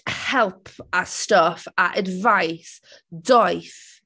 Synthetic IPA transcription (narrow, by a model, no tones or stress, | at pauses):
hɛlˠpʰastɔfaʔədvajs | dɔjθ